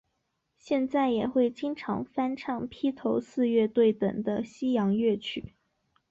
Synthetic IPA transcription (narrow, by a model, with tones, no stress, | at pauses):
ɕjɛ˥˧nt͡sa˥˩ɪjɛ˨˩xwe˥˩ɪt͡ɕi˥ŋʈ͡ʂʰɑ̰˧˥ŋfa˥nʈ͡ʂʰɑ˥˩ŋpʰi˥t̪ʰo˧˥ʊsɹ̩˥˧ɥɛ˥˧t̪we˥˩ɪt̪ɤ˨˩ŋd̪ə˦ɕi˥jɑ˧˥ŋɥɛ˥˩t͡ɕʰy̰˨˩˦